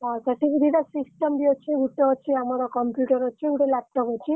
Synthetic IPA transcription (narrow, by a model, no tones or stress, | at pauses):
səʈibid̪ʱid̪asisʈəmbiot͡ʃʰiuʈɔɔt͡ʃʰiamaɾɔkɔmpjuʈəɾɔt͡ʃʰiuʈelap̚ʈɔpɔt͡ʃʰi